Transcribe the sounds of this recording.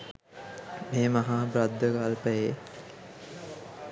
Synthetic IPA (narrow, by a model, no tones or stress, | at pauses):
meːmɐɦaːbɾad̪ːəkalpəje